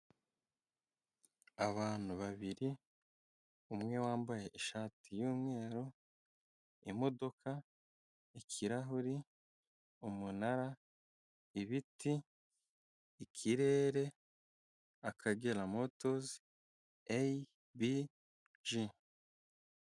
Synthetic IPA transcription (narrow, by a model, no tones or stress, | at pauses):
aβaːn̥uβaβiɾi | umŋe̞waːmbaje̞ʔiʃaːtʰijuːmŋe̞ːɾo | imo̞do̞kʰa | ikʰiɾaɦuɾi | umunaɾa | iβiti | kʰiɾe̞ːɾe̞ | akʰaɡe̞lamo̞to̞zi | ej | bi | ʒi